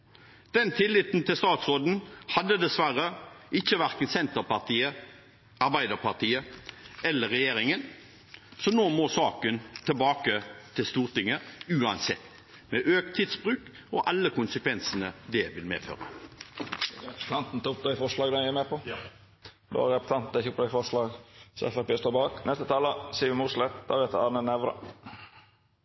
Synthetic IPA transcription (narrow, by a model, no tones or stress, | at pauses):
d̪̥ɛnt̪ʰɪlːɪt̪n̩t̪ʰɪlst̪ɑːt̪sʁoːd̪n̩hɑd̪ːəd̪ɛsʋæʁəɪçːəʋæʁkənsɛnt̪əʁpɑʁt̪ʰiːə | ʔɑʁbæɪd̪əʁpʰɑʁt̪ʰiːəʔɛlːəʁɛjeːɾɪŋən | sɔnoːmɔːsɑːkənt̪ʰəlbɑːkət̪ʰɪlst̪uːʁt̪ɪŋːəʉːɑnsɛ̰t̪ː | mɛʔøːk̚t̪ʰːiːd̪sbʁʉːk | ɔʔɑlːəkʊnsəkʰʋɛnsənəd̪ɛʋɪlmḛːfø̰ːʁə̰ | pt̪ʰɑnt̪n̩t̪ʰʊp̪ɛɪfɔʂlɑːɡd̪ɛɛmɛpʰɔ | d̪o̰ɾɛpt̪ʰɑnt̪n̩ɛçʊpd̪ɛfɔʂlɑːɡsɔ̰ɛ̰fæpeːst̪oːbɑːknɛst̪ət̪ʰɑːləsiːʋɪmuslɛt̪d̪ɑ̰ʋɛt̪əɑnənɛʋɾə̰